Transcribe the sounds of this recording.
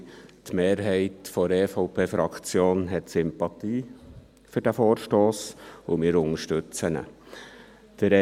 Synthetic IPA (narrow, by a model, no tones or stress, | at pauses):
tmeːɾɦɛɪtfɔɾɛːfɔʊpʰeːfɾɑkt͡sjoːnɦɛtsʏmpɑt̪iː | fʏɾd̥æfoːrʃtoːsʊmɪːɾʊŋəʃtʉt͡sənə̰ | d̥əɾɛ